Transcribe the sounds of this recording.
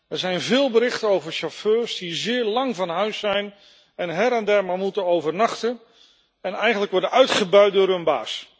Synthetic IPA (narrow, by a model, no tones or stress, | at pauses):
ɛɹzɛjnvɪːlˠbəɾɪχtənowvəɹʃaføːɹsdizɪːɹlɑŋvɑnɦœɥsːɛjn | ɛnɦɛɾɛndɛɹmamutənowvəɹnɑχtən | ɛnɛjχənləkʋɔɹdənœɥtχəbœɥt̚dʊːɹɦɵnba̰ːs